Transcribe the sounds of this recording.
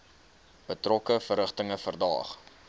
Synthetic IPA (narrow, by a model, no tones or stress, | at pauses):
bətrɔkəfərəχtəŋəfərdɑ̰ːχ